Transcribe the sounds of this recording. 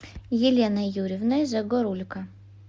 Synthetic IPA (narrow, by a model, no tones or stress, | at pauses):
jɪlʲenɐjuɾʲɪvnɐjzɐɡɔɾulʲkʰɐ